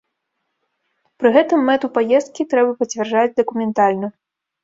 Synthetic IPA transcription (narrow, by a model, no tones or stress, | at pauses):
pɾɨɣɛt̪ɨmːɛt̪upajɛst̪̚kʲit̪ɾɛbɐpɐt͡sʲvʲɛrʐad͡zʲd̪ɐkumʲɛnt̪alʲnɐ